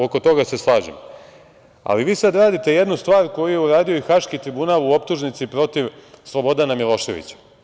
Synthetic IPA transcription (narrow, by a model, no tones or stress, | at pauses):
oko̞t̪o̞ɡase̞slˠaːʒem | a̰liʋiːsad̪ɾaːd̪it̪e̞je̞d̪nust̪ʋaːɾko̞jujeuɾaːd̪io̞ixaʃkit̪ɾibunalˠuo̞pt̪uʒnit̪sipɾo̞t̪iʋslˠo̞bo̞d̪anamilˠo̞ʃe̞̰ʋḭt͡ɕḁ